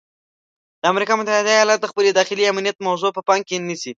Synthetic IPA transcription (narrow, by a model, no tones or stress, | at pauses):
d̪̥əamɾikɑmʊt̪ahɪd̪ajɑlɑt̪̚d̪əxpəljed̪ɑxɪliamnijat̪̚mawzopəpɑŋkenisi